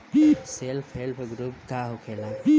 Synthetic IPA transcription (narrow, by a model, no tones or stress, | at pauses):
selpʰelpʰɡɾup̚kaɦokʰela